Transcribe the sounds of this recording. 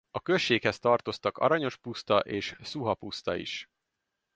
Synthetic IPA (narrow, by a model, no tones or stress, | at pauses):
ɒkø̞ʃːeːkhɛst̪ɒrt̪o̞st̪ɒkɒ̰ɾɒɲo̞ʃpust̪ɒʔeːʃsuɦɒpust̪ɒ̰ḭʃ